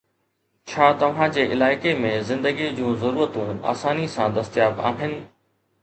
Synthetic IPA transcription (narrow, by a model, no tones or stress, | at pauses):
t͡ɕʰaːt̪ɐʋ̤ãd͡ʑeːʔɪlaːɪkemẽzɪ̃nd̪əɡid͡ʑũːzɐɾuːɾət̪ũa̰ːsaːnisãd̪ɐst̪ijaːba̰ːɦɪnɪ̆